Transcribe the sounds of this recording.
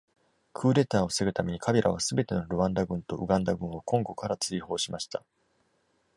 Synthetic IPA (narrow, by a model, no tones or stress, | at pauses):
kʰɯ̟ːɾe̞t̪aːo̞seɡɯ̟t̪ame̞ɲ̟ikʰabʲe̞ɾʔaβ̞asɨbe̞t̪e̞no̞ɾoβãnd̪aɡɯ̟̃nt̪o̞ʔɯ̟ɡãnd̪aɡɯ̟̃ɰ̃o̞kʰõ̞ŋɡo̞kaɾat͡sɨiho̞ːɕimaɕi̥t̪a